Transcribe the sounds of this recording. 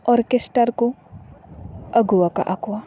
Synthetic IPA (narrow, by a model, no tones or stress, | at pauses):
ɔɾkesʈəɾko | ɐɡuaka̰ʔakwa